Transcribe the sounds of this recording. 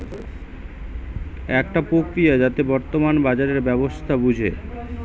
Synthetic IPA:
ɛkʈapɾokɾijad͡ʑat̪ebɔɾt̪omanbad͡ʑaɾeɾbɛbost̪ʰabud͡ʑʱḛ

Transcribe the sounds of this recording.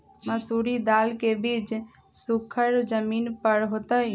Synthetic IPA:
məsuɾid̪aːlkebiːt͡ʃ | sʊkʰəɾd͡ʒəmiːnpəɾɦot̪əj

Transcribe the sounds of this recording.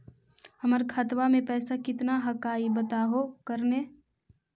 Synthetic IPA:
ɦɐməɾkʰət̪ʋamẽpɛːsakɪt̪naɦɐkaːibət̪aːɦokəɾne

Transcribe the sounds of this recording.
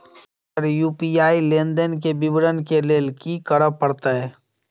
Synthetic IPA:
ɔɾjuːpiaːilẽːnd̪ənkebɪbɾənkeleːlkikəɾəpəɾt̪aɦɛː

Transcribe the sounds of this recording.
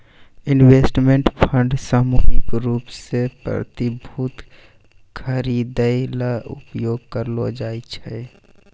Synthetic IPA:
ɪnweːsʈmẽɳʈpʰə̃ɳɖsaːmuːɦɪkɾuːpsepɾə̰t̪ɪbʱut̪ | kʰəɾiːd̪əjlaʔʊ̰pjoːɡkəɾlod͡ʒaːit͡ʃʰɛ

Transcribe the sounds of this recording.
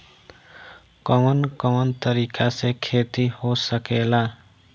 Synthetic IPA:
kʌmʌnkʌwʌnt̪ʌɾikasekʰet̪ihosʌkela

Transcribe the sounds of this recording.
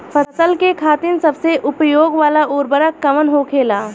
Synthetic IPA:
pʰəsəlkekʰaːt̪ɪnsɐbseʔʊpjoːɡʋaːlaʔuːɾbəɾəkːɐmənɦokʰeːlaː

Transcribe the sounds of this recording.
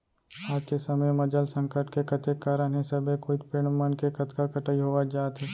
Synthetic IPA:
aːd͡ʒkesɐməjmɐd͡ʒəlsə̃ŋkəʈkekɐt̪ʰekːaːɾənɦẽsɐbekʰʊt̪peːɽ̃mənkekɐt̪kakɐʈəiɦoʋad͡ʒaːt̪ɦɛ

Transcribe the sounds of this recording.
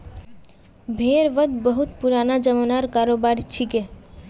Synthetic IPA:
bʱeɾʋəd̪bəɦut̪puɾanad͡ʒəmanaɾkaɾobaɾt͡ɕʰike

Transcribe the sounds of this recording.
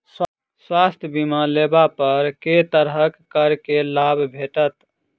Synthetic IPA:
s | swast̪ʰjəbimãlebapəɾket̪əɾɦəkːəɾkelabʱbʱeʈət̪

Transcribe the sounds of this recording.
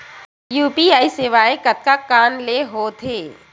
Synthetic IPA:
juːpiaːiseːʋaːẽkɐt̪̚kakaːnleɦoːt̪ʰeː

